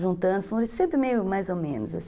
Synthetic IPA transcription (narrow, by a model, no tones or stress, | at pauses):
ʒũnt̪ɐ̃d̪ʊfõsẽmpɾɪmejʊmajzomḛ̃nʊza̰s